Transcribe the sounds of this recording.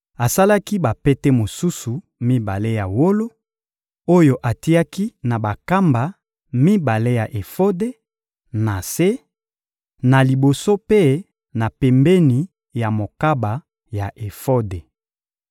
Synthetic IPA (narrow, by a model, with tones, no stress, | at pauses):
a˨sa˦la˦ki˦ba˨pe˦te˦mo˨su˦su˨ | mi˦ba˨le˦ja˨wo˦lo˦ | o˦jo˨ʔa˨ti˦a˦ki˦na˨ba˨ka˦mba˨ | mi˦ba˨le˦ja˨ʔe˨fo˦de˦ | na˨se˦ | na˨li˨bo˨so˦pe˦ | na˨pɛ˨mbe˦ni˨ | ja˨mo˨ka˦ba˨ | ja˨ʔe˨fo˦de˨